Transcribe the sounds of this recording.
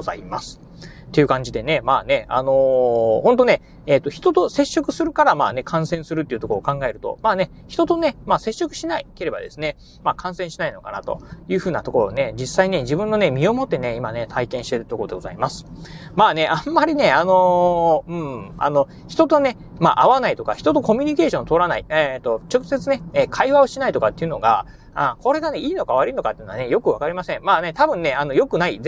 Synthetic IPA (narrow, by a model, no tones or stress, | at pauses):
a̰imasɨ̥ | t̪ːe̞jɯ̟kãɲ̟d͡ʑid̪e̞ne̞maːne̞a̰no̞hõ̞nt̪o̞ne̞ | eːt̪ːo̞çi̥t̪o̞t̪o̞se̞ɕːo̞kɯ̟sɨɾɯ̟kaɾamaːne̞kʰãɰ̃sẽ̞ɰ̃sɨɾɯ̟t̪ːei̟t̪o̞kookãŋɡae̞ɾɯ̟t̪o̞̰maːne̞ | çi̥t̪o̞t̪o̞ne̞maːse̞ɕːo̞kɯ̟ɕinaike̞ɾe̞ba̰d̪e̞sɨne̞ | maːkʰãɰ̃sẽɰ̃ɕinaino̞ka̰nat̪o̞̰jɯ̟ːɸɯ̟ːnat̪o̞ko̞ɾo̰ne̞d͡ʑisːaine̞d͡ʑibɯ̟̃nːo̞ne̞mʲio̞mo̞t̪ːe̞ne̞imane̞t̪ʰaikẽ̞ɰ̃ɕi̥t̪eɾɯt̪o̞kood̪e̞ɡo̞za̰imasɨ̥maːne̞ʔãmːaɾʲine̞ano̞ɯ̟̃ɴa̰no̞ | çi̥t̪o̞t̪o̞ne̞ | ma̰ʔaβanait̪o̞ka̰çi̥t̪o̞t̪o̞ko̞mʲiɲ̟ike̞ːɕõ̞nt̪o̞ːɾanaiet̪o̞t͡ɕo̞kɯ̟se̞t͡sɨne̞eːkʰaiβao̞ɕinait̪o̞kat̪ːe̞iɯ̟no̞ɡa | ako̞ɾe̞ɡane̞iːno̞kaβaɾɯinokat̪ːeinoanejo̞kɯ̟βakaɾʲimasẽ̞mmaːne̞t̪abɯ̟̃nːe̞ano̞jo̞kɯ̟nai